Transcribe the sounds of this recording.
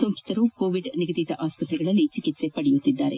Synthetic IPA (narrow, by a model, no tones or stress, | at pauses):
soŋkit̪ɐɾukoːʋiɖniɡɐd̪it̪ɐʔaːspɐt̪ɾiɡɐɭɐlːit͡ʃikit̪se̞pɐɽɛjut̪ːid̪ːaːɾe̞̰